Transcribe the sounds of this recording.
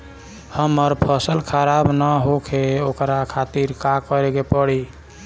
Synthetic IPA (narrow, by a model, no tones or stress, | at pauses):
həmːəɾpʰəsəlkʰəɾabnəɦokʰeokɾakʰat̪iɾkakəɾeɡepəɽi